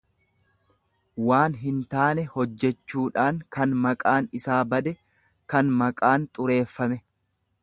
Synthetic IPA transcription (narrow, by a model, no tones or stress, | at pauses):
waːnɦɪnt̪aːnɛhɔd͡ʒːɛt͡ʃːuːᶑaːŋkɐnmɐkʼaːnɪsaːbɐd̪ɛ | kɐnmɐkʼaːnt̪ʼʊɾe̞ːfːɐmɛ